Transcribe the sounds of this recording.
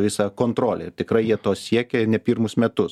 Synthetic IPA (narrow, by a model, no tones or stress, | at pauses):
ʋʲɪsɐkoːnt̪ɾoːlʲḛt̪ʲɪkɾɐɪjiɛt̪oːsʲiɛkʲɛnʲɛpʲiːɾmʊsmʲɛt̪ʊs